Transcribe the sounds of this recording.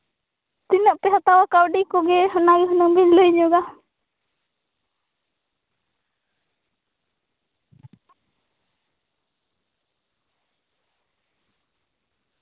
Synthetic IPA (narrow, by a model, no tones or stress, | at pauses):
t̪inəʔpɛɦat̪awakawɖikɔɡɛɦənaɡiɦɔnɔŋbiɲləjɲɔɡa